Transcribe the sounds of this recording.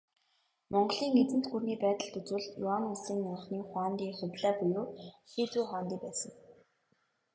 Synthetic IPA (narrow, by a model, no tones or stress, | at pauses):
mɔɴɢ̆ɮiːŋet͡sɘ̆n̥t̪ɡurniːpæːt̪ə̆ɮt̪ɵt͡suːɮjʊaŋʊsiːŋːʊɴχniːχwaːnt̪iːχʊt̪ɮaːpʊjoːxit͡suːχɔːnt̪iːpæːsə̆ŋ